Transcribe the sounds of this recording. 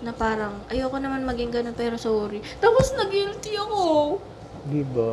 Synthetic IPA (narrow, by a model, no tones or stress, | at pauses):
nɐpaːɾɐŋʔɐjokonɐmanmɐɡɪŋɡɐnon̚pɛːɾo̞soːɾɪt̪aːposnɐɡilt̪ɪɐko | d̪ɪba